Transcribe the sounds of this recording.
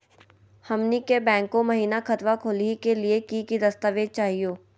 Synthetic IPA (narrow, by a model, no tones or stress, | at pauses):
hɐmnikebɛ̃ːŋkːõmɐɦiːnakɐt̪ʋakʰoːlikeliekikid̪ɐst̪aʋeːd͡ʒ̚t͡ʃaːɦijoː